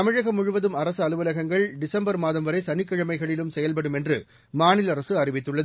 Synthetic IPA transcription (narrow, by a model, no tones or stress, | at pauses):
ɐmɪɻɐɣɐmʊɻʊʋɐðɯmɐɾɐsɯɐlɯʋɐlɐɣɐŋɡɐɭɖɪsɐmbɐɾmaːðɐmʋɐɾɐɪsɐnɪkːɪɻɐmɐɪɣɐɭɪlɯmsɛjɐlp̬ɐɽɯmɛndrɯ | maːnɪlɐɾɐsɯɐrɪʋɪt̪ːɯɭːɐðɯ